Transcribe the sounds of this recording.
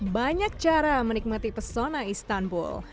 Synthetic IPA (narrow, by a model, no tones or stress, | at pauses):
baɲak̚t͡ʃaɾamənik̚mat̪ipərsonaist̪anbṵl